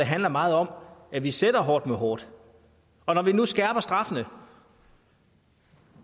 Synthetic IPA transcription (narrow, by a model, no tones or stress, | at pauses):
eɦænlɐmɑ̈ːð̞̩ˠɒ̽mæʋised̥ɐɦɒːd̥meɦɒːd̥ | ɒ̽nɒʋinusɡ̥æɐb̥ɐsd̥ʁɑ̈fənə